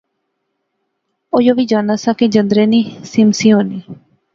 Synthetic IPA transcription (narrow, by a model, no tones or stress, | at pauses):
oːjoːʋiːd͡ʒaːnaːsãːked͡ʒə̃nd̪ɾẽːniːsɪmsiːɦoːniː